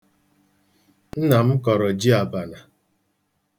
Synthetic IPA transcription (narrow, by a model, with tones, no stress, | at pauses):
n̩˦na˨m̩˦kɔ˨ɾɔ˨d͡ʒi˦a˨ba˨na˨